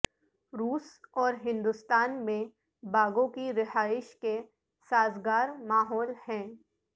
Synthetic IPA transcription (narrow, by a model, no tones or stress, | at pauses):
ɾuːsɔːɾɦɪ̃nd̪ʊst̪aːnmẽ | baːɡõkiɾɪɦaːɪʃke | saːzɡaːɾmaːɦɔːlhɛ̃ː